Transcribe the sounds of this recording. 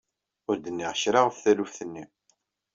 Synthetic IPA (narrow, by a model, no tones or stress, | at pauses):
ʊɾd̪ənːiʁçɾaʁfθælufθənːi